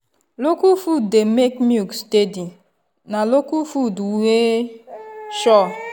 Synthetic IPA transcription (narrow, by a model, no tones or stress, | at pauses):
lokufudemekmjukstedi | nalokufuduwe | ʃɔ